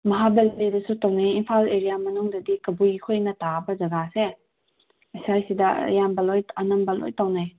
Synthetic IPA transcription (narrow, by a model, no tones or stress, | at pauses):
mɐɦabɐllidɐsutɐwnajinpʰaleɾijamɐnuŋdɐdikɐbujkʰojnɐtabɐzɐɡase | ɐjsajsidɐ̰jambɐlojɐnɐmbɐlo̰jtawnaj